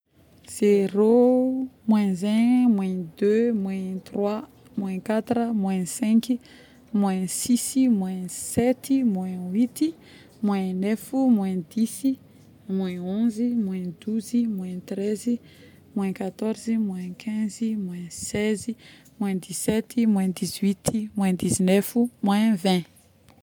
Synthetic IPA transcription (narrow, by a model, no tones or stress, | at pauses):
z̥eɾo | mwɛ̃zɛ̃mwɛ̃d̪ømwɛ̃t̪rwa | mwɛ̃kat̪rəmwɛ̃sɛ̃ki | mwɛ̃sisimwɛ̃sɛt̪imwɛ̃wit̪i | mwɛ̃nɛfimwɛ̃d̪isi | mwɛ̃õzimwɛ̃d̪uzimwɛ̃t̪ɾezi | mwɛ̃kat̪ɔɾzimwɛ̃kʰɛ̃zimwɛ̃sɛzi | mwɛ̃d̪isɛt̪imwɛ̃d̪izwit̪ʰimwɛ̃d̪izinɛfumwɛ̃vɛ̃